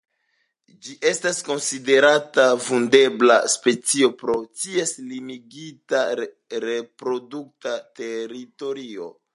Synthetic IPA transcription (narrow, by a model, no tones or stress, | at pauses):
d͡ʒiʔe̞stasko̞nside̞ɾatavunde̞blaspe̞t͡sio̞pɾo̞tieslimiɡita | ɾe̞pɾo̞duk̚tate̞ɾito̞ɾio̞̰